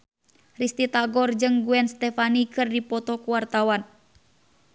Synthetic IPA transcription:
rist̪it̪aɡɔrd͡ʒɨŋɡuɛnst̪ɛfanikɨrdipɔt̪ɔkuwart̪awan

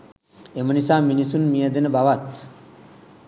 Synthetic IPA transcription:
emənisaːminisunmijəd̪enəbaʋat̪

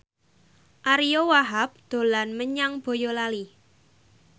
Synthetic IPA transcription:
ʔaɾijowaɦap̚d̪̥o̤lanməɲaŋb̥o̤jolali

